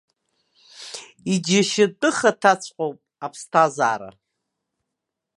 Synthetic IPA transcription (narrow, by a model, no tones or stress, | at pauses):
id͡ʒaʃɪtʼɨχatʰat͡sʷʰqʼowpʼapʰstʰaza̰ːɾa̰